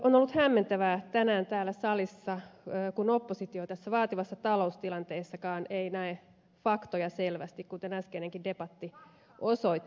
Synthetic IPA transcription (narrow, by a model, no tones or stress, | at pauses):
onolːut̪hæmːent̪æʋæt̪ænæːnt̪æːlːæsɑlisːɑøːkunopːosit̪iot̪æsːæʋɑːt̪iʋɑsːɑt̪ɑlo̞ust̪ilɑnt̪eːsːɑkɑːneinæe | fɑkt̪ojɑselʋæ̰st̪ikkunt̪enæskeneŋkindepɑt̪ːi | osoit̪ː